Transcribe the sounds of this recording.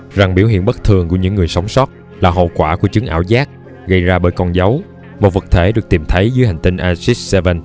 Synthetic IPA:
za˨˩ŋɓi˧˩əwɦḭ˧˨ənɓə˦˥t̚t̪ʰɨ˨˩əŋku˧˩əɲɨ̰˧˥ŋːɨ˨˩əjsa˨˦wŋ͡msɔ˦˥t̚ | laː˨˩ɦo̰˧˨kwaː˧˩ku˧˩ət͡ɕɨ˨˦ŋʔa̰ː˧˩wzaː˦˥k̚ | ɣə˧jzaː˧ɓəː˧˩jkɔ˧nza˨˦w | mo˨˩t̚və˨˩k̚t̪ʰe˧˩ɗɨ˨˩ək̚t̪i˨˩mt̪ʰə˨˦jzɨː˨˦jɦa˨˩jŋ̟t̪i˧ŋʔaː˧si˦˥s̚sɛ˧və˧n

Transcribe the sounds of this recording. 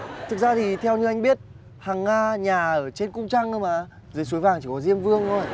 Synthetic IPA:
t̪ʰɨ˨˩k̚zaː˧t̪ʰi˨˩t̪ʰɛ˧wɲɨ˧ʔa˧jŋ̟ɓi˦˥ət̚ | haː˨˩ŋːaː˧ɲaː˨˩ʔəː˧˩t͡ɕe˧nkʊ˧ŋ͡mt͡ɕa˧ŋʔə˧wmʔaː˨˩˦ | zəː˨˦jsu˨˦jvaː˨˩ŋt͡ɕi˧˩kɔ˨˦zi˧əmvɨ˧əŋo˧˩j

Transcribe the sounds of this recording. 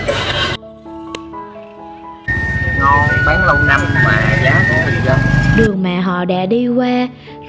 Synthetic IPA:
ŋɔ˧ɓaː˨˦nlə˧wŋ͡mna˧mmaː˨˩˨zaː˨˦wkɗi˧zə˨˩ɗɨ˨˩əŋma̰ː˧˨ɦɔ̰˧˨ɗa̰ː˧˥ɗi˧kwaː˧

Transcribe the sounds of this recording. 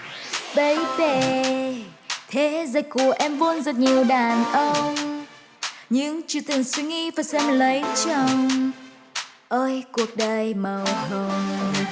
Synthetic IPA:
ɓə˨˦jve˧˩ | t̪ʰe˨˦zə˨˩j̚ku˧˩əʔɛ˧mvu˧nzə˨˩t̚ɲi˨˩əwɗaː˨˩nʔə˧ŋ͡m | ɲɨ˧˥ŋt͡ɕu˧˩t̪ɨ˨˩əŋswi˧ŋi˧vaː˨˩jsɛ˧mlə˨˦jt͡ɕə˧˩ŋ͡m | ʔəː˧jku˨˩ək̚ɗə˨˩jmə˨˩whə˧ŋ͡m

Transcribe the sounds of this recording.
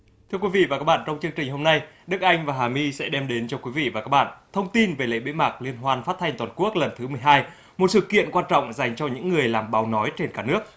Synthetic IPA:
t̪ʰɨ˧əkwi˨˦vḭ˧˨vaː˨˩ka˦˥ɓa̰ː˧˨t͡ɕɔ˧wŋ͡mt͡ɕɨ˧əŋt͡ɕï˨˩ŋ̟ho˧mna˧j | ɗɨ˦˥k̚ʔa˧jŋ̟vaː˨˩ɦaː˨˩mi˧sɛ̰˧˥ɗɛ˧mɗe˨˦nt͡ɕɔ˧kwi˨˦vḭ˧˨vaː˨˩kaː˦˥k̚ɓa̰˧˨nt̪ʰə˧wŋ͡mt̪i˧nve˨˩lḛ˧˨ɓḛ˧˥ma˨˩k̚li˧ənɦwaː˧nfa˦˥t̚t̪ʰa˧jŋ̟t̪waː˨˩nku˦˥ək̚lə˨˩nt̪ʰɨ˨˦mɨ˨˩əjɦaː˧j | mo˨˩t̚sɨ̰˧˨kḭ˧˨ənkwaː˧nt͡ɕɔ̰˧˨wŋ͡mza˨˩jŋ̟t͡ɕɔ˧ɲɨ̰˧˥ŋːɨ˨˩əjlaː˨˩mɓaː˨˦wnɔ˨˦jt͡ɕe˧nkaː˧˩nɨ˦˥ək̚

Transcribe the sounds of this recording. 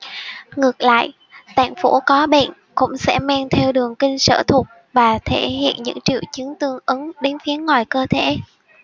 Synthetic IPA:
ŋɨ˨˩ək̚la̰ː˧˨j | t̪a̰ː˧˩ŋfo̰˧˥kɔ˨˦ɓḛ˧˨n | kʊ̰˧˥ŋ͡msɛ̰˧˥ma˧nt̪ʰɛ˧wɗɨ˨˩əŋkï˧ŋ̟sə̰ː˧˩t̪ʰu˨˩t̚ | vaː˨˩t̪ʰe˧˩hḭ˧˨ənɲɨ̰˧˥ŋt͡ɕḭ˧˨əwt͡ɕɨ˨˦əŋt̪ɨ˧əŋʔɨ˨˦ŋɗe˨˦nfi˨˦ənŋːwaː˨˩jkəː˧t̪ʰḛ˧˩˥

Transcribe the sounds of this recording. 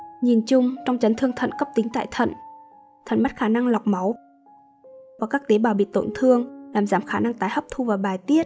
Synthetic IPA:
ɲi˨˩nt͡ɕʊ˧ŋ͡mt͡ɕɔ˧wŋ͡mt͡ɕə˨˦nt̪ʰɨ˧əŋt̪ʰə̰˧˨nkə˦˥p̚t̪ï˨˦ŋ̟t̪a̰ː˧˨jt̪ʰə̰˧˨n | t̪ʰə˧˨nma˦˥t̚xaː˧˩na˧ŋla˨˩wk͡p̚ma˨˦w | vaː˨˩kaː˦˥k̚t̪e˨˦ɓaː˨˩wɓḭ˧˨t̪o̰˧˨nt̪ʰɨ˧əŋlaː˨˩mzaː˨˦˩mxaː˧˩na˧ŋt̪aː˨˦jhə˦˥wp̚t̪ʰu˧vaː˨˩ɓaː˨˩jt̪i˦˥ət̚

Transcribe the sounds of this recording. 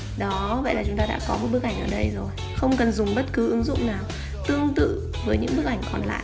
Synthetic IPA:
ɗɔ˨˦və̰˧˨jlaː˨˩t͡ɕʊ˨˦ŋ͡mt̪aː˧ɗa̰ː˧˥kɔ˨˦m˨˩t̚ɓɨ˦˥ək̚ʔa˧˩jŋʔəː˧˩ɗə˧jzo˨˩j | xə˧wŋ͡mkə˨˩nzʊ˨˩ŋ͡mɓə˦˥t̚kɨ˨˦ʔɨ˨˦ŋzʊ̰˧˨wŋ͡mnaː˨˩w | t̪ɨ˧əŋt̪ɨ̰˧˨ | vəː˨˦jɲɨ̰˧˥ŋɓɨ˦˥ək̚ʔa˧˩jŋ̟kɔ˨˩nla̰ː˧˨jʔ

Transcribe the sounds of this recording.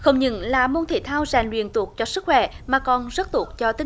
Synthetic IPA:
xə˧wŋ͡mɲɨ̰˧˥nlaː˨˩mo˧nt̪ʰḭ˧˩t̪ʰaː˧wza˨˩jŋ̟lwḭ˧˨ənt̪ək̚t͡ɕɔ˧sɨ˦˥k̚xwɛ̰˧˩maː˨˩kɔ˨˩nzə˦˥t̚t̪u˧˩ək̚t͡ɕɔ˧t̪ï˧˦

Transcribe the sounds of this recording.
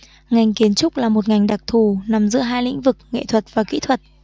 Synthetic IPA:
ŋa˨˩jŋ̟ki˨˦ənt͡ɕʊ˦˥k͡p̚laː˨˩mo˨˩t̚ŋa˨˩jŋ̟ɗa˨˩k̚t̪ʰu˨˩na˨˩mzɨ̰˧˥əɦaː˧jlḭ̈˧˥ŋ̟vɨ˨˩k̚ŋḛ˧˨t̪ʰwə˨˩t̚vaː˨˩kḭ˧˥t̪ʰwə˨˩t̚

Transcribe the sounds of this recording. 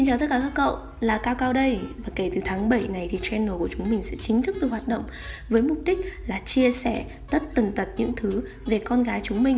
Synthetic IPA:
si˧nt͡ɕaː˨˩t̪ə˦˥kaː˧˩kaː˧˥kkə̰˧˨w | laː˨˩kaː˧wkaː˧wɗə˧jvaː˨˩ke˧˩t̪ɨ˨˩t̪ʰaː˨˦ŋɓə˧˩jna˨˩jt̪ʰi˨˩t͡ɕɛ˧nːoː˨˩ku˧˩ət͡ɕʊ˨˦ŋ͡mmï˨˩ŋ̟sɛ̰˧˥t͡ɕï˨˦ŋ̟t̪ʰɨ˦˥k̚t̪ɨ˨˩hwaː˨˩t̚ɗə̰˧˨wŋ͡m | vəː˨˦jmʊ˨˩p̚ɗï˦˥k̟̚laː˨˩t͡ɕi˧əsɛ˧˩ | t̪ə˦˥t̚t̪ə˨˩nt̪ə˨˩t̚ɲɨ̰˧˥ŋt̪ʰɨ˨˦ | ve˨˩kɔ˧nɣaː˨˦jt͡ɕʊ˨˦ŋ͡mmï˨˩ŋ̟

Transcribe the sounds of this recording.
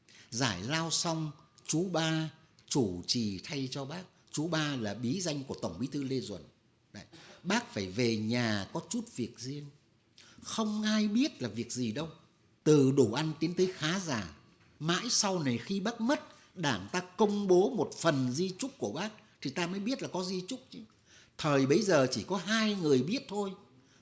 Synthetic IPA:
zaː˧˩jlaː˧wsa˧wŋ͡mt͡ɕu˨˦ɓaː˧ | t͡ɕu˧˩t͡ɕi˨˩t̪ʰa˧jt͡ɕɔ˧ɓaː˦˥k̚ | t͡ɕu˨˦ɓaː˧laː˨˩ɓi˨˦za˧jŋku˧˩ət̪ə˧˩wŋ͡mɓi˨˦t̪ʰɨ˧le˧zwə̰˧˩n | ɗa̰˧˩˨jɓaː˦˥k̚faː˧˩jve˨˩ɲaː˨˩kɔ˨˦t͡ɕu˦˥t̚vi˨˩ək̚zi˧ən | xə˧wŋ͡mʔaː˧jɓi˦˥ət̚laː˨˩vi˨˩ək̚zi˨˩ɗə˧w | t̪ɨ˨˩ɗu˧˩ʔa˧nt̪i˨˦ənt̪əː˨˦jxaː˨˦zaː˧˩ | ma̰ː˧˥jsa˧wna˨˩jxi˧ɓaː˦˥k̚mə˦˥t̚ | ɗaː˧˩ŋt̪aː˧kə˧wŋ͡mɓo˨˦mo˨˩t̚fə˨˩nzi˧t͡ɕʊ˦˥k͡p̚ku˧˩ə˦ɓaː˦˥k̚t̪ʰi˨˩t̪aː˧məː˨˦jɓi˦˥ət̚laː˨˩kɔ˨˦zi˧t͡ɕʊ˦˥k͡p̚t͡ɕi˨˦ | t̪ʰəː˨˩jɓə˧jzəː˨˩t͡ɕi˧˩kɔ˨˦ɦaː˧jŋɨ˨˩əjɓi˦˥ət̚t̪ʰo˧j

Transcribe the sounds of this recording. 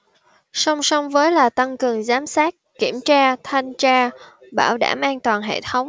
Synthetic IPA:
sɔ˧wŋ͡msɔ˧wŋ͡mvəː˨˦jlaː˨˩t̪a˧ŋkɨ˨˩əŋzaː˨˦msaː˦˥k̚ki˧˩əmt͡ɕaː˧t̪ʰa˧jŋt͡ɕaː˧ɓa̰ː˧˩wɗa̰ː˧˩mʔaː˧nt̪waː˨˩nɦḛ˧˨t̪ʰə˨˦wŋ͡m

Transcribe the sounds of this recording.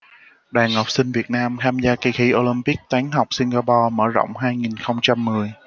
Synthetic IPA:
ɗaː˨˩nha˨˩wk͡p̚sï˧ŋ̟vi˨˩ət̚naː˧mt̪ʰaː˧mzaː˧ki˧˩xi˧˩ʔo˧li˧mpi˦˥k̚t̪aː˨˦ŋɦa˨˩wk͡p̚sï˧ŋɣaː˧pɔ˧mə̰ː˧˩zo̰˧˨wŋ͡mɦaː˧jŋi˨˩nxə˧wŋ͡mt͡ɕa˧mːɨ˨˩əj

